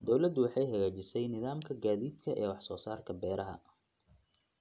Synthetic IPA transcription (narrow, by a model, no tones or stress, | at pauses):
d̪ɔwlɐd̪wɑħɑjɦɐɣaːt͡ʃɪsɛjnɪðaːmkʰɐɡaːðiːd̪kʰɐʔɛːwɑħsɔːsaːrkʰɐbɛːɾɐɦɐ̰